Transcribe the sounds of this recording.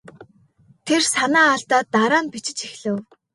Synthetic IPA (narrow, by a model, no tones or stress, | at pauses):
t̪ʰersanaːɮt̪aːt̪ːaɾaːnpit͡ɕɪ̆t͡ɕixɮɘ̆w